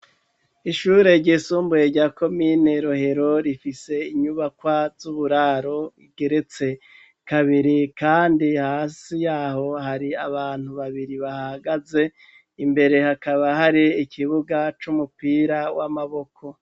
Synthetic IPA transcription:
iʃuːɾe̞ɾɟiːsuːmbuje̞ɾɟaːko̞mine̞ɾoɦe̞ɾo̞ɾifise̞iɲuβakwazuβuɾaːɾo̞iɡe̞ɾe̞t͡se̞ | kaβiɾikaːndihaːsijaːho̞ɦaɾiaβaːn̥uβaβiɾiβahaɡaze̞ | imbe̞ɾe̞hakaβahaɾiːkʰiβuɡat͡ʃumupiːɾawamaβo̞kʰo̞

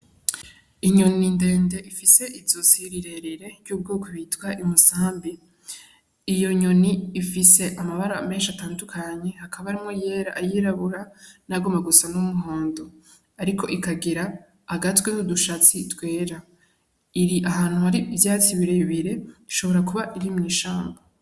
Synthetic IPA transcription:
iɲo̞ninde̞ːnde̞ʔifise̞ʔizosiɾiɾe̞ɾeɾe̞ɾjuːb̚ɡuːkoβitwaʔimusaːmbi | ijo̞ɲo̞niːfise̞ʔamaβaɾame̞ːnʃataːndukʰaɲe̞hakʰaβaɾimŋoje̞ɾaʔːjiɾaβuɾanaɡomaɡusanumuɦo̞ːndo | aɾikʰo̞ʔikaɡiɾaː | ɡatwenuduʃat͡sitwe̞ːɾa | iɾiʔaɦaːn̥huhaɾivjaːt͡siβiɾeβiɾe̞iʃo̞βo̞ɾakuβaʔiɾimŋiːʃaːmba

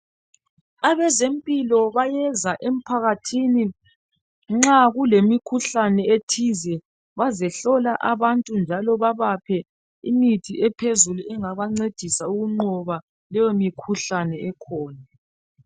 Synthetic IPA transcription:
aβɛzempʼilɔβajɛzaʔem̩pʰaɣatʰini | ŋ͡ǁaɣulemikʰuɬanɛetʰizɛ | βazɛɬɔlaʔaβantʼund͡ʒʱalɔβaβapʰɛ | imitʰiɛpʰezuluɛŋaβaŋ͡ǀed̥ʱisauɣuŋ͡ǀɔβa | lɛjomikʰuɬanɛɛkʰɔːna

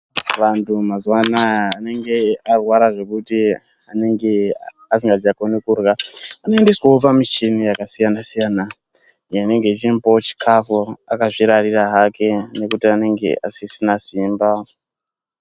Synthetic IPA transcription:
ʋantʰumazwanaːne̞ŋɡe̞arwaɾaʐe̞kuti | ane̞ŋɡe | as̬iŋɡad͡ʒakonekurɣaanoendeswaopamit͡ʃenijakasijanasijaːna | jane̞ŋɡe̞t͡ʃimpot͡ʃi̥kʰafuakaʐiɾariraɦake̞ne̞kutiane̞ŋɡe̞̰ʔasisinasimba

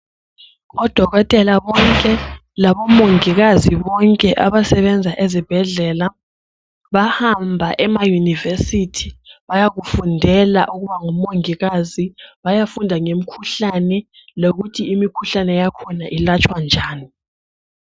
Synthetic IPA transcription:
ɔd̥ʱɔɣɔtʼɛlaβɔŋkʼɛ | laβɔmoŋiɣaziβɔŋkʼɛʔaβasɛβɛnd͡zʱaʔezib̥ʱɛɮɛla | βahambʱaʔɛmajunivesitʰi̥βajaɣufundʱɛla̰ʔuɣuβaŋumoŋiɣaziβajafundʱaŋem̩kʰuɬanɛ | loɣutʰiimikʰuɬanɛjakʰɔnaʔilat͡ʃʰwand͡ʒʱaːni

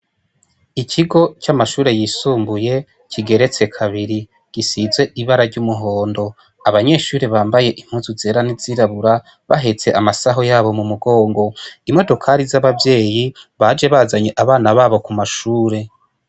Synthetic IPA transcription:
icʰiɡo̞t͡ʃamaʃuːɾe̞jiːsuːmbuje̞ | cʰiɡe̞ɾe̞t͡se̞kʰaβiɾi | ɡ̥isizwe̞ʔiβaɾaɾɟumuɦo̞ːndo̞ | aβaɲe̞ːʃuːɾeβaːmbaje̞ʔim̥huzuzeɾaniziɾaβuɾa | βa̰ɦet͡se̞ʔamasaɦo̞jaːβo̞mumuɡo̞ːŋɡo̞imo̞do̞kʰaɾizaβavje̞ːjiβad͡ʒe̞βazaɲe̞ʔaβaːnaβaβo̞kumaʃuːɾe̞

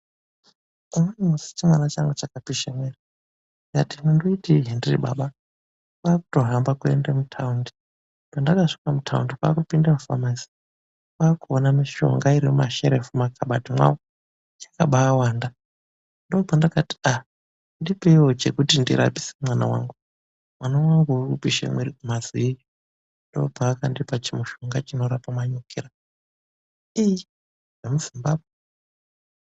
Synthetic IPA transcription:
onemusi̥t͡ʃimwanat͡ʃaŋɡut͡ʃakapiʃemera | jatinundoitiɦendirḭɓaɓa | kwaːku̥to̞rambakue̞̰ndemutʰaundi̥ | pandakaʂi̥kamutʰaundikwakupindamufa̰mansi̥ | kwaːkuonamiʃo̞̰ŋɡaiɾimumaʃe̞̰ɾefumakʰaɓatimwa̰wo | t͡ʃḁkaɓaawaːnda | ndobʱandakati̥a | ndipeiwo̞t͡ʃe̞kutindḭɾa̰pi̥semwanawa̰ŋɡu | mwanawaŋɡuukupiʃḛmweɾikumaziiji | ndo̞̰bʱaːkandipat͡ʃimuʃo̞ŋɡat͡ʃino̞ɾapamaɲokʰeɾa | iji | nemuzimbabʱwe

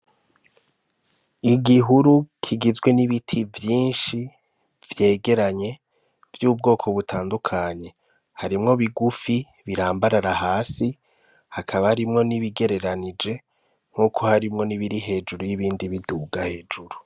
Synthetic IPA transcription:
iɡiɦuɾukʰiɡizɡwe̞niβitʰivjiːnʃi | vje̞ːɡe̞ɾaɲe̞ | vjuːb̚ɡo̞ːkʰo̞βutʰaːndukʰaɲe̞ | haɾimŋo̞βiɡufi | βiɾaːmbaɾaɾahaːsi | hakʰaβahaɾimŋo̞niβiɡe̞ɾe̞ɾanid͡ʒe̞ | ŋ̥uːkʰo̞haɾimŋo̞niβiɾiɦe̞ːd͡ʒuɾujiβiːndiβiduːɡahe̞ːd͡ʒuɾu

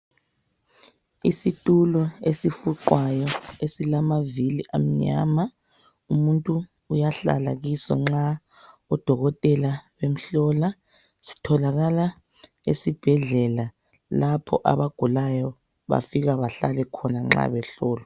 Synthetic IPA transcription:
isitʼulɔesifuǃwajɔesilamaviliʔa̰m̩ɲa̰ːma | umuntʼuː | jaɬa̰la̰ɣisɔ̰ŋ͡ǁa | ɔd̥ʱɔɣɔtʼɛlawem̩ɬɔla | si̥tʰɔlaɣala | ḛsib̥ʱɛɮɛla | lapʰɔ̰ʔa̰βaɡ̥ʱulajɔ | βa̰fiɣaβaɬalɛkʰɔnaŋ͡ǁa̰βɛɬɔːlɔ

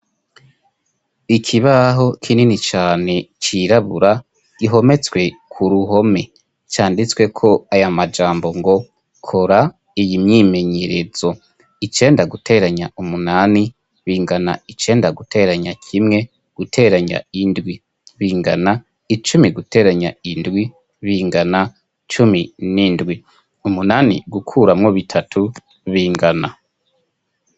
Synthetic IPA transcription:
ikʰiβaɦo̞kʰininit͡ʃaːne̞t͡ʃiɾaβuɾa | iɦo̞me̞t͡swe̞kʰuɾuɦo̞me̞ | t͡ʃaːndit͡swe̞kʰo̞ajamad͡ʒaːmbo̞ŋɡo̞ | kʰo̞ɾa | ijimɲime̞ɲe̞ɾe̞z̥o̞ | it͡ʃe̞ːndaɡutʰe̞ɾaɲaumunani | βiːŋɡana̰it͡ʃe̞ːndaɡutʰe̞ɾaɲakʰimŋe̞ | ɡ̥utʰe̞ːɾaɲa̰indwi | βiːŋɡana | it͡ʃumiɡute̞ɾaɲa̰indɡwi | βiːŋɡana | t͡ʃuminiːndɡwi | umunaːnḭɡukʰuɾamŋo̞βitʰatʰu | βiːŋɡana

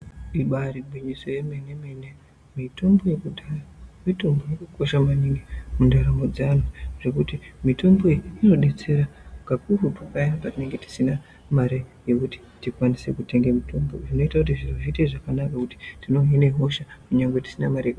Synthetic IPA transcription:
ɗiɓariɡʱwiɲiso̞jemenemene | mito̞mbo̞jekuɗaramito̞mbojekuko̞ʃamaniŋɡimundaɾamod͡zanoʐ̥ekutimito̞mbo̞iino̞ɗe̞t͡se̞ɾakakurupakanapatine̞ŋɡe̞ti̥sina | maɾeje̞kuti̥tikwanise̞kute̞ŋɡemitʰo̞mbo̞̰ʐino̞itakutiʐinoʐiteʐakanakakuti̥tino̞ɦineɦo̞ʃakuɲaŋɡweti̥sinamaɾeek

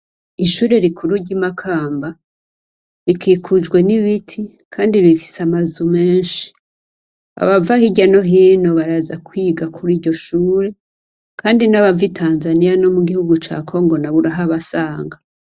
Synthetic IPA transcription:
iʃuːɾe̞ɾikʰuɾuɾɟimakʰaːmba | ɾikʰiːkʰud͡ʒɡwe̞niβitʰi | kʰaːndiβifi̥samazume̞ːnʃi̥ | a̰βavahiɟano̞ɦiːno̞βaɾazakwiːɡakʰuɾiːɾɟo̞ʃuːɾe̞ | kʰaːndinaβavitʰaːnzanijano̞muɡihuɡut͡ʃa̰ːkʰo̞ŋɡo̞naβuɾaɦaβasaːŋɡa

